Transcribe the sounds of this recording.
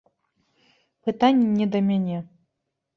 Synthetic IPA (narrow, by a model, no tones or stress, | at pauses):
pɨt̪anʲːinʲɛd̪ɐmʲanʲɛ